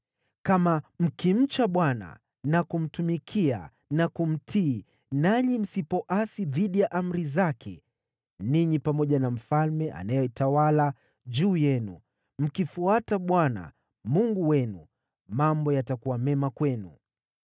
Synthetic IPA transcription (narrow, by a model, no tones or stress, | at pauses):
kamam̩kim̩t͡ʃaɓwana̰ | nakum̩tumikʰia̰ | nakum̩tʰiː | naɲim̩sipɔʔasiðiɗijaʔam̩ɾizakʰɛ̰ | niɲipamɔʄanam̩falmɛʔa̰najɔitawala | ʄuːjɛnṵ | m̩kifuataɓwana̰ | muŋɡuwɛnu | mambɔjatakuwamɛmakwɛnṵ